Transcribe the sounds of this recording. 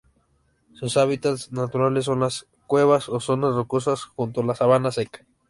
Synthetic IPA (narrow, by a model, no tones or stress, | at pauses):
susaβit̪at̪snat̪uɾales̬ːonlas | kweβasosonasrokus̬asxunt̪olasaβanasekḁ